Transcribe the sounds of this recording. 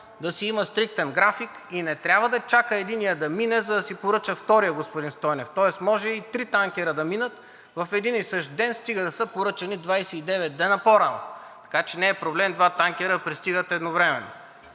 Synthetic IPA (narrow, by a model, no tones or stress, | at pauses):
d̪ɐsiiməst̪ɾik̚t̪ɛnɡɾafik | inɛt̪ɾʲabvəd̪ɐt͡ʃakəɛd̪inijəd̪ɐminɛzɐd̪ɐsipoɾɤt͡ʃəft̪ɔɾijəɡospʊd̪inst̪ɔjnɛft̪ɔɛsmɔʒɛit̪ɾit̪aŋkʲɛɾəd̪ɐminət̪ | vɐfɛd̪inisəʃt̪d̪ɛnst̪iɡəd̪ɐsɤpoɾɤt͡ʃɐnid̪vajsɛid̪ɛvɛt̪ːɛnɐpoɾanɐ̰ | t̪ɐ̥kat͡ʃɛnɛːpɾoblɛmd̪vat̪aŋkʲɛɾəpɾist̪iɡət̪ɛd̪novɾɛmɛ̰no̰